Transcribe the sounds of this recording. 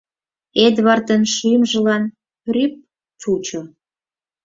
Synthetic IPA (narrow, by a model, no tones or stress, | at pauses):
ed̪βɑrt̪ənʃymʒə̆lɑn | ryp̚ | t͡sut͡ɕo